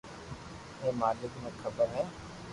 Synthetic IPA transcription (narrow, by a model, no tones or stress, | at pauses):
ɦeːmaːlɪɡmẽːxʰəbəɾɦɛː